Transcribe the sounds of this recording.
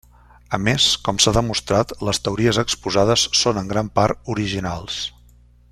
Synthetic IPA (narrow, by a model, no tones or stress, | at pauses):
əmeskɔmsaðəmust̪ɾat̪ləst̪əuɾiəzəkspuzað̞əsːonəŋɡɾampaɾt̪uɾiʒinalˠs